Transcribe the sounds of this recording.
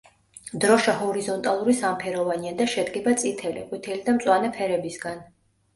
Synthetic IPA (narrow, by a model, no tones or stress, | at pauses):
d̪ɾɔʃaɦɔɾizɔnt̪ʼalˠuɾisampʰɛɾɔvaniad̪aʃɛd̪ɡɛbat̪sʼit̪ʰɛlḭkʼwit̪ʰɛlid̪amtsʼwanɛpʰɛɾɛbisɡan